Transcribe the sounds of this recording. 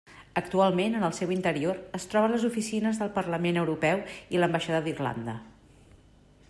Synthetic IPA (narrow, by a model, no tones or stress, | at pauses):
ək̚t̪ualˠmenənəlˠsɛwint̪əɾioɾəst̪ɾɔβələzufisinəzðəlˠpərləmenəwɾupɛwiləmbəʃaðaðirla̰nd̪ə̰